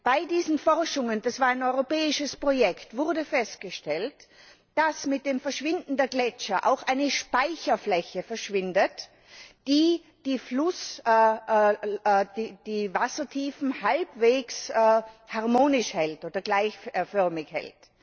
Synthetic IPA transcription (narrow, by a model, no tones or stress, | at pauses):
b̥aɪdiːzn̩fɔʁʃʊŋəndasv̥aːɐaɪnɔʏʁopɛːɪʃəspʁ̥ojɛktv̥ʊʁdəfɛst̚ɡ̥əʃtɛlt | d̥asmɪt̚d̥eːmfɛɐʃv̥ɪndn̩deːɐɡlɛt͡ʃɐʔa̰ʊxʔaɪnəʃpaɪçɐflɛçəfɛɐʃv̥ɪndət | d̥iː | d̥iːflʊs | did̥iːvasɐtʰiːfn̩halbveːkshaʁmoːnɪʃhɛltoːdɐɡlaɪçfœɐmɪçhɛ̰lt